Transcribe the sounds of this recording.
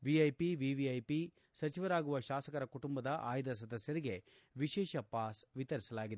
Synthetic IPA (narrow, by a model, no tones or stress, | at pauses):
ʋiɐjpiʋiʋiɐjpi | sɐt͡ʃiʋɐɾaːɡuʋɐʃaːsɐkɐɾɐkuʈumbɐd̪ɐʔa̰ːjd̪ɐs̬ɐd̪ɐsjɐɾiɡe̞ | ʋiʃɛːʃɐpaːsʋit̪ɐɾisɐlaːɡid̪e